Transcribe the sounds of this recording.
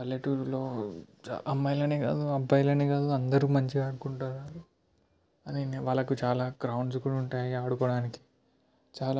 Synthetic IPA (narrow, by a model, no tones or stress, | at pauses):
ɐlːeʈuːɾlo̞̰ː | ʔɐmːɐjlɐneːɡa̰ːd̪uɐbʱɐjlɐneːɡaːd̪uɐnd̪ɐɾuːmɐɲt͡ʃiaːɽukuɳʈaːɾaɾu | ɐnineʋaːɭːɐkut͡ʃaːlaːɡɾɐwɳɖskuːɽuɳʈaːjiaːɽukɔːɽaːniki̥ | t͡ʃaːla